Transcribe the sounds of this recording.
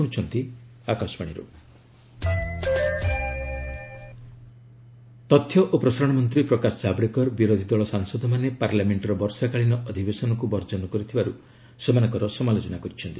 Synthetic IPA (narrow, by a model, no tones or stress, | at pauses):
ut͡ʃʰɔnt̪i | akasmaɽ̃iɾṵ | t̪ɔt̪ʰːjɔʔopɾɔsaɾɔɽ̃mɔnt̪ɾipɾɔkasɔd͡ʒabɾikɔɾbiɾod̪ʱid̪ɔɭɔsaŋsɔd̪ʱɔmanepaɾljameɳʈɔɾɔbɔɾsakaɭinɔʔɔd̪ʱibesɔnɔkubɔɾd͡ʒɔnɔkɔɾit̪ʰibaɾu | semanɔŋkɔɾɔsɔmalod͡ʒɔnakɔɾit͡ʃʰɔnt̪i